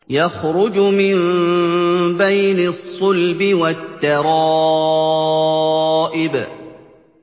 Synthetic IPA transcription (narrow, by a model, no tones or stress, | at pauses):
jaxɾʊd͡ʒmɪn | bajnɪsˤːʊlbɪwat̪ːɑɾˤɑ | ʔɪb